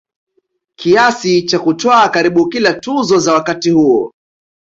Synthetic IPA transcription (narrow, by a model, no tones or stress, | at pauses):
kʰiasit͡ʃakutɔakaɾiɓukilatuzɔzawakatihuɔ̰